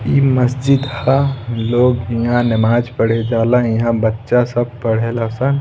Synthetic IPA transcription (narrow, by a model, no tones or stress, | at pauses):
iməsd͡ʒid̪haloːɡjiɦãnɪmaːd͡ʒpəɽ̤ed͡ʒaːlajiɦãbətːʃasəb̚pəɽ̤elasə̃n